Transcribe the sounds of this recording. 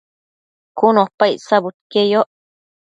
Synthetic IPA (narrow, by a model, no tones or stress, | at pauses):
kunopajsabut̪̚kejoʔ